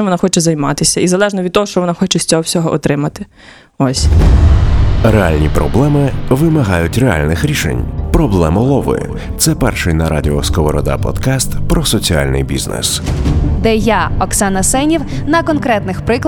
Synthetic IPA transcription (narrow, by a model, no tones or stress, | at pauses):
ɔʋɔnaxɔt͡ʃɛzɐjmɑt̪ɪsʲɐizɐlˠɛʒnɔʋʲd̪̚t̪ɔɦɔʃt͡ʃɔʋɔnaxɔt͡ʃɛsʲt͡sʲɔɦɔwsʲɔɦɔʔɔt̪ɾɪmɐt̪ɪ̥ | ɔsʲ | realʲnʲipɾɔ̰blˠɛmɪʋɪmɐɦɑjʊtʲrea̰lʲnɪxɾʲiʃḛnʲpɾɔblˠɛmʊlˠɔʋɔ̰jʊ̰ | t̪sɛpɛrʃɪjnɐɾa̰dʲɪɔskɔʋɔɾɔd̪a̰pɔ̰d̪̥kɑst̪pɾɔsɔt͡sʲia̰lʲnɪ̰jbʲḭznɛ̰sd̪ɛjaɔksanɐsɛnʲiw | nɐkɔnkɾɛt̪nɪxpɾɪkˠ